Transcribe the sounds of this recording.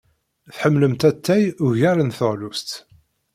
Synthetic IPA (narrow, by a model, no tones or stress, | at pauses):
θħəmːləmt̪æt̪ʰːæjʊʝæɾənθəʁlust̪